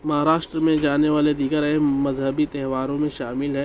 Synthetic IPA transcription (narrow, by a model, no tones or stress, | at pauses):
mɐɦaːɾaːʃʈɾəmẽd͡ʒaːneʋaːled̪iːɡəɾɦẽmɐzɦəbit̪ɛɦʋaːɾõmẽʃaːmɪlɦɛː